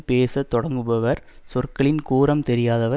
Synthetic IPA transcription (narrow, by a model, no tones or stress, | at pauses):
peːsɐt̪ːɔɽɐŋɡɯʋɐʋɐɾsɔrkɐɭɪnkuːɾɐmt̪ɛɾɪjaːðɐʋɐ